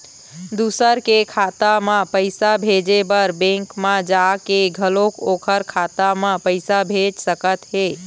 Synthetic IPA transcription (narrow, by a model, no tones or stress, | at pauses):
d̪usəɾkekʰat̪amãpəɪsabʱed͡ʒebəɾbẽŋkmãd͡ʒakeɡʱəlokokʰəɾkʰat̪amãpəɪsabʱed͡ʒsəkət̪ɦe